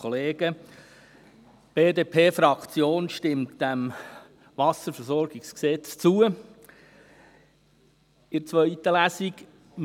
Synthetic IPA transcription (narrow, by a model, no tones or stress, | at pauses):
ɔleːɡə | b̥eːdeːpʰeːfɾɑkt͡sjoːnʃtɪmtd̥æm | vɑsəɾfəɾsɔrɡ̥ɪksksɛt͡st͡suə | ɪɾt͡sʋœʏit̪əlæsik